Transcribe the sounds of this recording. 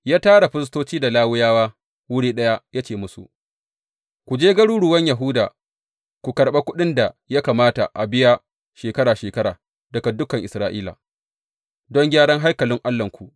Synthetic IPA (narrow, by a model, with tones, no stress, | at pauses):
jaː˦taː˦ɽa˨ɸɪ˦s̬toː˦t͡ʃiː˦da˨laː˦wʊ˦jaː˦waː˦ | wʊ˦ɽiː˦ɗɐ˦ja˦ja˦t͡ʃeː˨mʊ˦sṵ˨ʔ | kʷu˨d͡ʒeː˦ɡɐ˦ɽuː˦ɽʊ˨wɐ˦ɲja˨ɦʊ˦da̰ː˨ | kʷu˨kɐ˨ɾɓe˦kʷʊ˦ɗɪ˦nda˨ja˦kaː˨maː˦ta̰˨ʔa˨bɪ˦ja˦ | ʃeː˨kɐ˦ɾaː˨ʃeː˨kɐ˦ɾaː˨ | dɐ˨ka˨dʊ˦kɐ˨ŋʔɪ˨sɾaː˦ʔiː˦la̰ː˨ | dɔ˦ŋɡʲaː˦ɽɐ˦ŋɦa˦jkɐ˨lɪ˦ŋʔa˦lːɐ˨ŋkʷu˨ʔ